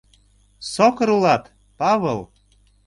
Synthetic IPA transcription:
sokɤ̆ɾulɑt̪ | pɑβəlˠ

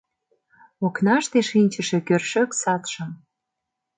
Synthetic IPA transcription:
oknɑʃt̪eʃinʲt͡ɕə̆ʃĕkørʃøksɑt̪ʃə̆m

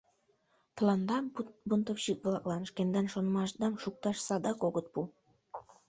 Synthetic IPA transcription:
t̪ɤlˠɑnd̪ɑmbunt̪okʃik̪̚blˠɑklˠɑnɤ̆ʃkend̪ɑnʃonmɑʃd̪ɑnʃuk̚t̪ɑʃsɑd̪ɑkoɡɤt̪̚pu

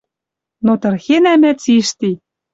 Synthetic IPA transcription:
not̪ɤ̆rxenæmæt͡siʃt̪i

